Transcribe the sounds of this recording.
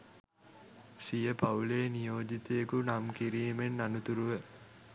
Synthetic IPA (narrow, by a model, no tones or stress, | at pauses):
sijəpauleːnijoːd͡ʒit̪ejekunamkiɾiːmenːanut̪uɾuʋə